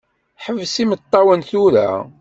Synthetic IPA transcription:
ħəvsimət̪ˤːɑwənθuɾæ̰

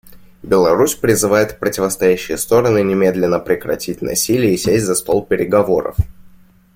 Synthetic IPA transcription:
bʲɪlˠɐɾusʲpɾʲɪzɨvajɪt̪pɾətʲɪvəst̪ɐjæɕːɪjəst̪o̞ɾənɨnʲɪmʲe̞d̪lʲɪnːəpɾʲɪkɾɐ̰tʲitʲnɐ̰sʲilʲɪjəisʲesʲtʲzɐst̪o̞lˠpʲɪɾʲɪɡɐvo̞ɾə̰f

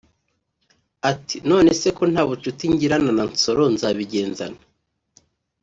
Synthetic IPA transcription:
atino̞ːne̞se̞ko̞n̥haːβut͡ʃutiɲɟiɾananant͡so̞ɾo̞nzaβiɟe̞ːnza̰na

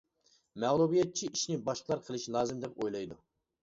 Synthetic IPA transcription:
mɛʁlˠubijɛt̪̚t͡ʃʰiʔiʃnɪbɑʃqʰəlˠɑɾqʰəlˠɨʃlˠɑːzɨmd̪ɛpojlˠɑjd̪u

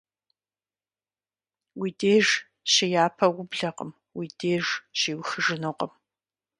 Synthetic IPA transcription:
wiːdeːʐ | ɕɪjaːpʰɐwʊbɮɐqə̰m | wideːʐɕiːwxɨʐɨnoqʼəm

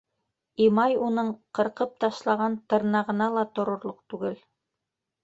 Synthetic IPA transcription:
imɑjunɤɴqɤ̆ɾqɤp̚t̪ɑʃlˠɑʁɑnt̪ɤ̆ɾnɑʁɤ̆nɑlˠɑt̪ŏɾŏɾlˠoq̚t̪ʉɡɘl

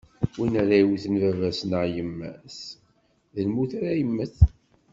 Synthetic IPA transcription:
winæɾæiwθənvævæsnəʕjəmːæs | ðəlmuθaɾæjəmːəθ

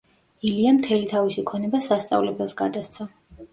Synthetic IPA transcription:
iliamt̪ʰɛlit̪ʰavisikʰɔnɛbasast̪sʼa̰vlɛbɛlˠsɡad̪ast̪sʰɔ

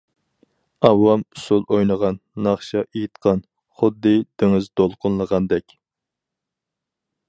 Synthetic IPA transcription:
ɑwːɑmusulˠojnəʁɑnːɑχʃɑʔejit̪qʰɑn | χʊd̪ːɨd̪̥ɪŋɨzd̪olˠqʊnlˠəʁɑnd̪ɛkʲ

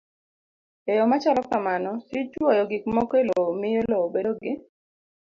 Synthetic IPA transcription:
ejɔmat͡ʃalɔkamanɔsit͡ʃwɔjɔɡɪkmɔkelomɪjoloobedoɡɪ

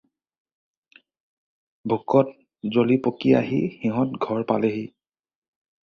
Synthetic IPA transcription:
bʱukɔt̚ | zolipokia̰ɦḭxiɦɔtɡʱɔɹpaleɦi

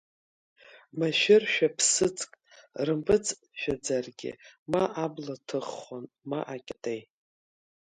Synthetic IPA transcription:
maʃᶣɪrʃᶣapʰsɨt͡sʼkʼrɨmpʰʼɨt͡sʼ | ʃᶣad͡zarɡʲɪ̰maʔablatʰɨχːon | maʔakʲʼtʼej

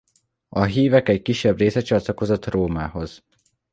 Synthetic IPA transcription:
ɒɦiːvɛkɛckiʃːɛbreːsɛt͡ʃɒt̪lɒko̞zo̞t̪roːmaːho̞z̥

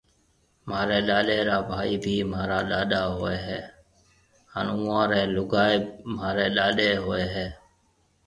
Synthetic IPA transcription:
maːɾeːɗaːɗeːɾaːbʱaːiːbʱiːmaːɾaːɗaːɗaːɦoːeːɦɛː | hanũːãːɾɛːlʊɡaːeːmaːɾeːɗaːɗeːɦoːeːɦɛː

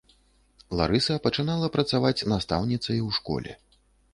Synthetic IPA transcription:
lˠa̰ɾɨsɐpɐt͡ʂɨnalˠɐpɾɐt̪savat͡sʲnast̪a̰wnʲit̪sɐjwʂkɔ̰lʲɛ̰

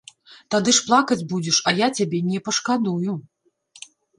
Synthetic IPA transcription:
t̪ad̪ɨʂplˠakɐd͡zʲbud͡zʲɛʂɐjat͡sʲabʲɛnʲɛpɐʂkad̪uju

